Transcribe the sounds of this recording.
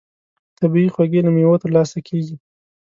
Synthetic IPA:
t̪abiixwaɡelamewot̪əɾlɑsakʰeɡi

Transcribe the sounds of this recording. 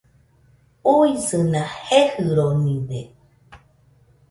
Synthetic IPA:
uisɨnãhehɨɾonĩde

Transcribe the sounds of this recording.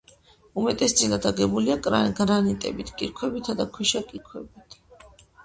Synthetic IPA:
umɛt̪ʼɛsd̪sʼilad̪aɡɛbuliakʼɾaɡɾanit̪ʼɛ̰bit̪ʰkʼiɾkʰwɛbit̪ʰad̪akʰwɛʃakʼiɾkʰwɛbit̪ʰ

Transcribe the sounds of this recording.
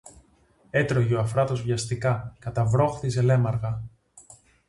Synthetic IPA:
et̪ɾoʝeoɐfɾɐt̪o̞zvʝɐst̪ikɐkɐt̪ɐvɾo̞xθize̞le̞mɐɾɣɐ

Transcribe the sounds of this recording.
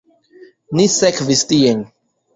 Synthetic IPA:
nisɛkvistijeŋ

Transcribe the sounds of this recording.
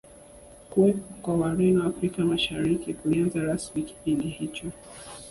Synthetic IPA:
kuwɛpɔkwawaɾɛnwafɾikamaʃaɾikikulianzaɾasmiki̥pindihit͡ʃɔ

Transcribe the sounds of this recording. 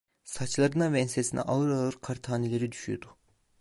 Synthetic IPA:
sat͡ʃlˠaɾɯnavɛnsesinɛ̰ʔalˠɯɾalˠɯɾkʰaɾt̪ʰaːnelʲe̞ɾid̪yʃyjod̪u

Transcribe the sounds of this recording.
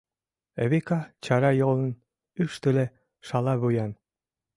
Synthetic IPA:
eβekɑt͡ɕɑɾɑjolˠən | yʃt̪ɘle | ʃɑlˠɑβujɑn

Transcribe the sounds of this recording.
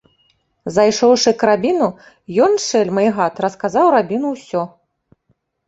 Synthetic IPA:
zajʂɔwʂɨkɾabʲinu | jɔnʂɛlʲmɐjɣat̪rɐskazawɾabʲinuwsʲɔ

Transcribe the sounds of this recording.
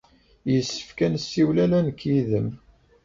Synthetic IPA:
jəsːə̥fkænsːiwlælænəkːjiðəm

